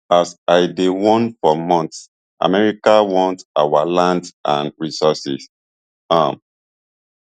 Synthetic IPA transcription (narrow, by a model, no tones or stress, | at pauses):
asaɪdewɔ̃nfɔmɔ̃nts | ʔa̰mɛɹikawɔ̃ntawalãndsã̰nɹisɔsḭs | ãm